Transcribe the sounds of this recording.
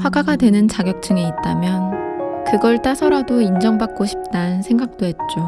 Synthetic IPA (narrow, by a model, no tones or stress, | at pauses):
ɸwaɡaɡadwe̞nɯnt͡ɕaɡjʌk̚t͡ɕ͈ɯŋe̞it̚t͈amjʌnkɯɡʌɭt͈asʰʌɾadoind͡ʑʌŋbak̚k͈oɕʰi̥p̚t͈anɯnsʰe̞ŋɡak̚t͈oɦe̞t̚t͡ɕ͈o